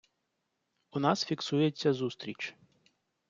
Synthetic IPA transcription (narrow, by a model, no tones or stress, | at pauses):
ʊnɑsfʲiksujet͡sʲːɐzust̪ɾʲit͡ʃ